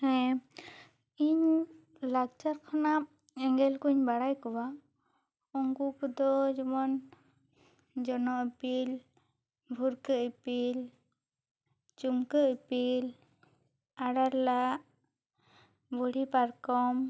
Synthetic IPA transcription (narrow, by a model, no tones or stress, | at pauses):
ɛ̃ | iɲ | lak̚t͡ʃaɾkʰanap̚ | ɛŋɡɛlkuɲbaɽajkɔwa | ɔŋɡukɔd̪ɔd͡ʒɔmɔn | d͡ʒɔnɔʔpil | bʱuɾkəʔipil | t͡ʃumkəʔpil | aɽaɾlaʔ | buɽipaɾkɔm